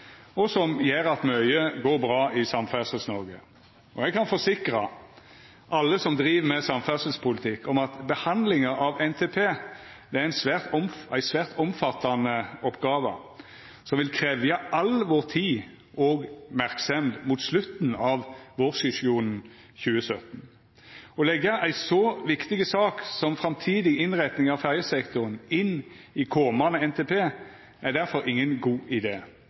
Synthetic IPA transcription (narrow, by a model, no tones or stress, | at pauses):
ɔsɔmjeːɾɑt̪mœʏəɡoːɾbɾɑːʔɪsɑmfæsəsnɔɾɡə̰ | ɔɛɡkʰɑnfɔsɪkɾɑ | ʔɑlːəsɔmd̪ɾiːʋəmɛsɑmfæsəlspʰʊlɪt̪ʰɪkːɔmɑt̪bəhɑnd̪lɪŋəʔɑʋɛnt̪ʰeːpʰeː | d̪ɛææɪnsʋæːʁt̪ɔmæɪsʋæːʁt̪ɔmfɑt̪ːɑnəɔpːɡɑːʋə̰ | sɔmʋɪlkʰɾeːʋjɑʔɑlʋɔʁt̪ʰiː | ʔɔɡmæʁksɛmd̪muːt̪slʉt̪n̩ɑʋʋɔʁsɪsɪuːnn̩ | çʉːəsœt̪n̩ | ɔlɛɡəʔæɪsɔʋɪkt̪ɪɡəsɑːksɔmfʁɑmt̪ʰiːd̪ɪɪnʁæt̪nɪŋɑʋfæʁjəsɛkt̪ʊʁənɪn | ɪkʰoːmɑnəɛnt̪ʰepʰeː | æd̪æʁfɔɾɪŋːənɡuːʔɪd̪eː